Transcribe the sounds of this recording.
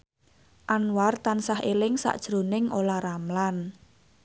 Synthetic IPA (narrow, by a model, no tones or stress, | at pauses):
ʔanwart̪ansahelɪŋsa̰ʔd̥ʒ̥ɾo̤nɪŋʔolaramlan